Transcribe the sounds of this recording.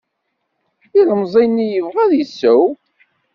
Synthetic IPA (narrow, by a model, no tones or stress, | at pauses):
iləmzˤinːijəvʁæðjəsːəw